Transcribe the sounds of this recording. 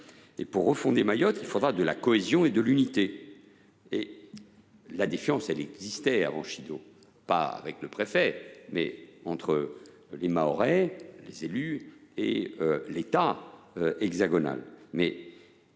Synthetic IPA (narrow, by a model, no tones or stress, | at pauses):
ḛpuʁːəfɔ̃d̪emajɔt̪ilfod̪ʁad̪əlakɔezjɔ̃ed̪əlynit̪e | e | lad̪efjɑ̃sɛlɛɡzist̪ɛa̰vɑ̰̃ʃid̪o | pa̰a̰vɛkləpχefɛmɛ̰ɑ̃t̪χə | lemaɔʁɛlezelyḛølet̪a | ɛɡzaɡɔna̰lmɛ